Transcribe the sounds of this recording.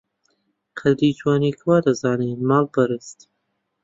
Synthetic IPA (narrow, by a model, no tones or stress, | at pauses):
qʰɐd̪ɾiːd͡ʒwaːniːkʰwaːd̪ɐzaːneːmaːlbɐɾɨst̪